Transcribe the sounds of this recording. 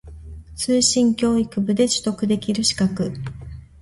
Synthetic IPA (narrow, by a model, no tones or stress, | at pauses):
t͡sɨːɕĩŋkʲo̞ːikɯ̟bɯ̟d̪e̞t͡ɕɨ̥t̪o̞kɯ̟d̪e̞kʲiɾɯ̟ɕi̥kakɯ̟